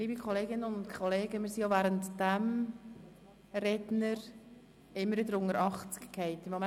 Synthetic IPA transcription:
liːbikχɔleːɡɪnənʊntkʰχɔleːɡəmɪːɾsijovæːɾəntd̥ɛm | rɛdnəɾ | ɪmːəɾvɪdəɾʊŋəɾɑχt͡sɪ̥kkʰhɛɪtɪmom

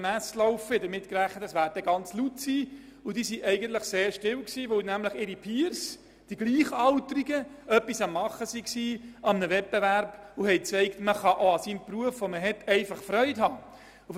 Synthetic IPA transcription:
mæːslɔʊfəɛdəɾmɪtkɾæχːətəsʋæːɾd̥ɛɡɑnt͡slutsiː | udisiʔɛɪɡəntləχseːɾʃtɪwksiːʋɵwnæmləχɪɾipʰiːɾs | d̥iɡliːχɑʊtəɾiɡə | œpːisɑmːɑχːəsiksiːɑmənəʋɛt̚b̥evæɾb̥uhɛɪt͡sɛɪktməχɑʔoɑsimpruəfʋoməɦɛtɛɪfɑχfɾœʏthɑː | u

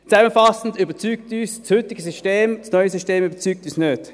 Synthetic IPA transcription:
t͡sɛməfɑsn̩dybət͡syːk̚tyːsshʏtɪɡəsyʃteːmsnɔʏəsyʃteːmybəɐt͡syːk̚tyːsnøːd̥

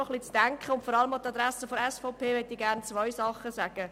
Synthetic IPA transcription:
ɔχlit͡sd̥æŋkχəʊntfɔɾɑləmaʊtɑd̪ɾɛsəfɔɾɛsfɔʊpʰeːʋɛt̪ːiɡæɾnt͡svœɪsɑχəsæɡ̥ə

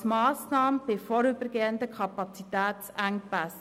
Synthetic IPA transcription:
mɑːsnɑːməb̥ɪfɔɾʏbəɾɡeːənd̪əkʰɑpɑt͡sit̪æːtsæŋpæs

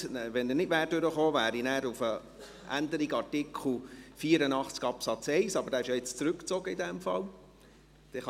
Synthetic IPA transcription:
ʋɛnənɪdʋæːɾdʏɾəχoːvæːɾinæːɾufə | ʔæ̰nd̪əɾiɡɑɾtɪkʰl̩ˠfiːəɾənɑχt͡skɑpsɑt͡sɛɪsɑb̥əɾdɑːɪʃjɑɪt͡st͡sɾʉkt͡sɔɡəidɛmfɑ̰l | d̥ɛχ

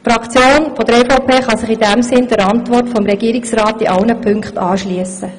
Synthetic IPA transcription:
fɾɑkt͡sjoːnfɔd̥̪əɾɛfoʊpʰeːχɑsɪχidæmsɪnd̪əɾɑntʋɔrtfɔmɾɛɡ̥iəɾɪksrɑːtiʔɑlnəpʰʏŋkχtɑːʃliəsə

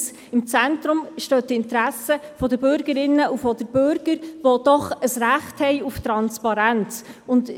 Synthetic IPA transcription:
s | ɪmt͡sæntɾʊmʃtøːtɪntɾæsəfɔdəbʏɾɡəɾɪnːəufɔd̥əbʏɾɡ̥əɾʋod̥ɔχəsɾæχthɛɪuftɾɑnspɑɾænt͡sʊnd

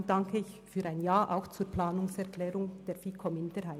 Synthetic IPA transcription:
d̥aŋkʰəɪçfyːɾaɪnjaːʔa̰ʊxt͡suːplaːnʊŋsɛʁkʰlɛːʁʊŋd̥eːɐfiːkʰɔmɪndəɾhaɪ

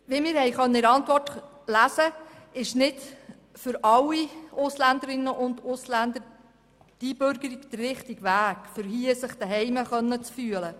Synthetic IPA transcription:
ʋiːmɪːɾhɛjχœnːəɪɾɑntvʋɔrt | læsə | ɪʃnɪd | fʏɾɑlːiʔʊslænd̪əɾɪnːəʔʊnd̪ʊslænd̪əɾ | d̥ib̥ʏɾɡ̥əɾiɡd̥̪ərːɪχtiɡʋæːɡ̥fʏɾɦiəsəχd̥̪ɛɦɛjməχœnːət͡sfyələ

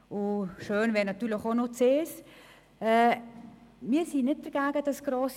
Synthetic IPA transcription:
ʊʃøːnvɛːɾnɑt̪ːyːlɪxonot͡seːs | ɛː | miːsinɪt̚d̥əɾɡ̥æːɡəd̥ɑsɡ̥ɾoːs

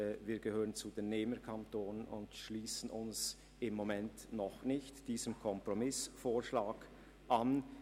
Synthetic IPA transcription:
viːɐɡəhøːʁənt͡sudeːnːeːməkʰantoːnənʔʊ̰ndʃliːsən̩ʊns | ɪmːomɛntnɔχnɪçtd̥iːzəmkʰɔmpʁomɪsfoːɐʃlaːɡ | ʔan

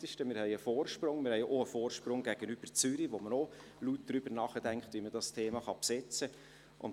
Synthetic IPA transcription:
tɪʃtəmɪːɾhɛɪəfoːrʃprʊŋmɪɾhɛɪʔoəfoːrʃprʊŋɡæɡ̥ənyb̥ərt͡sʏɾiʋoməno | lut̚d̥ɾyb̥əɾnɑːχədæŋkχtʋimədɑstʰeːmɑχɑpsɛt͡sə | ʔʊ̰n

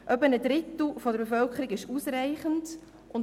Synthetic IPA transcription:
ʔœbənədɾɪt̪l̩ˠfɔd̪əɾbefœlkʰəɾiɡɪʃuːsɾaɪχənd | ʔʊn

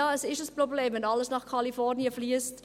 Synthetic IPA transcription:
ɑːəsɪʃəsprobleːmvɛnɑləsnɑχkʰɑlifɔʁniəfliəst

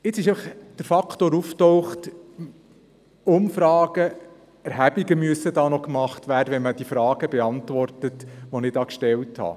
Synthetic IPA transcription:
ɪt͡sɪʃeɪfəχd̥əɾfɑkʰtoːɾuftɔwχt | ʊmfɾɑːɡ̥ə | æɾɦæbiɡəmyəsːədɑːnɔkmɑχtʋæːɾdəʋɛnməd̥ifɾɑːɡ̥əbɛɑntʋɔrtətʋɔnɪd̥ɑːkʃtɛlthɑ̰

